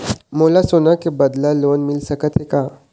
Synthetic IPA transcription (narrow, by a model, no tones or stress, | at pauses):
molasonakibəd̪lalonmilsəkət̪ɦeka